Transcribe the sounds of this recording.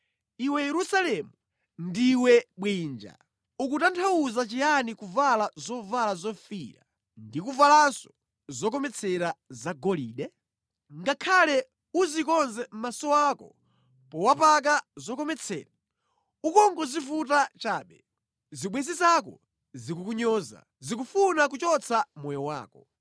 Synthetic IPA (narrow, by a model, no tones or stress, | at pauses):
iwɛjɛɾusalɛmu | ndiwɛɓwiːnd͡ʒa̰ | ukutantʰawuzat͡ʃianikuvalazɔvalazɔfiːɾa̰ | ndikuvalasɔ̥ | zɔk̬ɔmɛt͡sʰɛɾazaɡɔliːɗɛ | ŋɡakʰalɛ | uzikɔnzɛm̩masɔakɔ̰ | pɔwapak̬azɔk̬ɔmɛt͡sʰɛ̰ːɾa | ukɔŋɡɔzifutat͡ʃaːɓɛ | ziɓwɛzizakɔ̰ | zikukuɲɔːza̰ | zikufunak̬ut͡ʃɔt͡sʰamɔjɔwa̰ːkɔ